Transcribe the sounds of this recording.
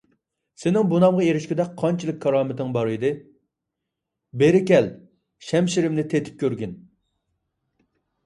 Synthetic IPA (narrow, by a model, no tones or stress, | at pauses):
senɪŋbunɑmʁɑeɾɪʃkʲɪd̪ɛk̚ʲqʰɑnt͡ʃʰilˠɨk̚ʲkʰːɑɾɑːmɪt̪ɨŋbɑɾɨd̪ɨ | beɾɪkʲɛl | ʃɛmʃiɾɪmnɪt̪ʰet̪ʰɪ̥p̚kʲʰøɾɡʲyn